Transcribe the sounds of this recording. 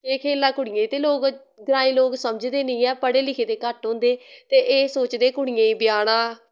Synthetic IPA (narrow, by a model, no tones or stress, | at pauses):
eːkʰeːlaːkʊɽɪjẽːt̪eːloːɡ | ɡəɾaːĩːloːɡsəməd͡ʒd̪eːnəĩːɛːpəɽeːlɪkʰeːd̪eːkəʈɦõːnd̪eːt̪eːʔeːsoːt͡ʃd̪eːkʊɽ̃ɪjẽːĩːbɪjaːɽ̃ãː